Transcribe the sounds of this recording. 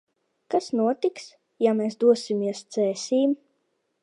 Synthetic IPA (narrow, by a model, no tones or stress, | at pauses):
kasnuɔt̪iks | jamɛːsd̪uɔsʲimʲiɛst̪sɛːsʲiːm